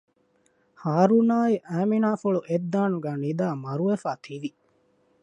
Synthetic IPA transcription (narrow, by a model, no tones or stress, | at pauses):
haːɾunaːiʔæːminaːfuɭuʔed̪ːaːnuɡæːnid̪aːmɐɾuʋefaːt̪ʰiʋi